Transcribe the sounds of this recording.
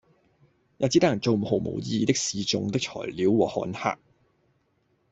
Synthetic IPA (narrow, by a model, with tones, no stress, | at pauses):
jaː˨˧t͡si˧˥t̪ɐ˥jɐ˨˩nt͡so˨wm̩˨˩ho˨˩wmo̰˨˩wjiː˧t̪ɪ˥k̚siː˨˧t͡sʊ̰˨ŋt̪ɪ˥k̚t͡ʃʰɔ̰ː˨˩jliː˨˥wwɔː˨˩hɔ̰ː˨˥nha̰ː˧k̚